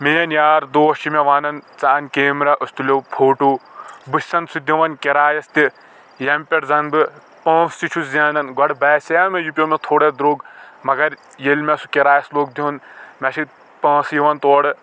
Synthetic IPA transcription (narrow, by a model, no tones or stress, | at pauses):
meːjɐnjaːɾd̪oːɐʃimeʋaːnɐnt͡saːnkeːmɾɐʔɨst̪ulopʰoːʈuːbɨsʲsɐnsud̪ʲiʋɐnkeɾaːjɐst̪i | jɐmʲpʲeʈzɐnbɨ | pɐ̃ːst̪it͡ʃʰuszaːnɐnɡɐɽbɛːseɐmejupʲjoːmɛt̪ʰoːɽed̪ɾoːɡmɐɡɐɾ | jelmɛsukeɾaːjɐsloːk̚d̪iunmɐʃi | pɐ̃ːsjiʋɐnt̪oːɽɨ